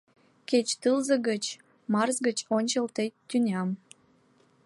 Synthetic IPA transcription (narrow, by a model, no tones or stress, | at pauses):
ket͡ɕt̪ɨlzəɣət͡ɕ | mɑrzɡət͡ɕonʲt͡ɕəlt̪et̪ːynʲɑm